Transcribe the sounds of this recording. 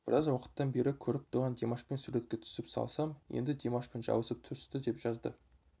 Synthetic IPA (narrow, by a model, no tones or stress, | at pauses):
b̥ɪɾɑzwɑqə̥t̪ːɑnbe̞ɾɪkʲʰɵɾɪp̚t̪ʰoʁɑnd̪emaʃpe̞nsuɾe̞t̪kʲe̞t̪ʰʏ̥sɪpsɑ̰lˠsɑmjḛnd̪ɪd̪ʲemaʃpe̞nʒɑ̰wəsəp̚t̪ʰʏst̪ɪd̪epʒ̥ɑzd̪ə